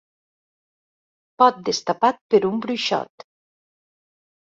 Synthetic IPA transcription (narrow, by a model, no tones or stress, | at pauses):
pɔt̪̚d̪əst̪apat̪̚pəɾumbɾuʃɔ̰t̪